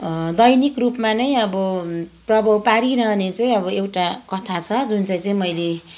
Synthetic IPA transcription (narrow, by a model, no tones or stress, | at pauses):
d̪ʌjnikrupmanʌjʌbʌprʌbʱʌwpaɾiɾʌɦʌnet͡saj̃ʌbʌewʈakʌt̪ʰat͡sʰʌd͡zunt͡saj̃t͡saĩmʌjle